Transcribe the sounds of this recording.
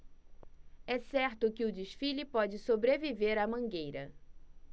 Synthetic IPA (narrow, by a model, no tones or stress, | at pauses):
ɛsɛɾt̪ʊkɪʊd͡ʒɪʃfilipɔd͡ʒɪsobɾeviveɾɐmɐ̃ŋɡejɾɐ̰